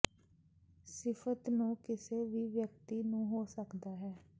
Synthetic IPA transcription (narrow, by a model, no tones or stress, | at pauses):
sɪpʰət̪nũːkɪseːʋiːʋjək̚t̪iːnũːɦoːsəkd̪aːɦɛː